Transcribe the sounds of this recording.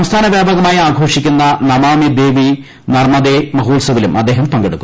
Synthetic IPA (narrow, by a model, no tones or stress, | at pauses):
ɐmst̪ʰaːnɐʋjaːbaːɡɐmaːjiaːɡʱoːʂikʲːinːɐnɐmaːmid̪eːʋi | nɐrmɐd̪eːmɐɦuːlsɐʋilumɐd̪ːeːɦɐmpɐŋɡeɽuk̪ːu